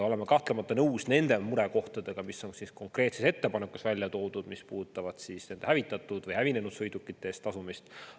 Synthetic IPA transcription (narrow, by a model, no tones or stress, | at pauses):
o̞le̞mekɑht̪lemɑt̪ːˑɑnɤwsne̞nd̪̥e̞muɾeko̞ht̪ɑd̪̥e̞ɡ̥ɑmiso̞nsisko̞ŋkre̞ːt̪sese̞t̪ːe̞pɑnekːˑusvælʲjɑt̪o̞ːd̪̥ud̪̥mispuːt̪ːˑɑvɑd̪̥sisne̞nd̪ehævit̪ːˑɑt̪ːˑud̪̥vɤjhævine̞nud̪sɤjd̪ukːˑit̪ːˑeest̪ːɑsumist̪